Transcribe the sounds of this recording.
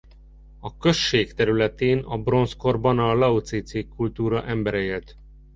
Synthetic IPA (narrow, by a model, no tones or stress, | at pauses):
ɒkø̞ʃːeːkt̪ɛɾylɛt̪eːnɒbro̞nsko̞rbɒnɒlɒut̪seːt̪seːkːult̪uːɾɒʔɛmbɛɾɛeːlt̪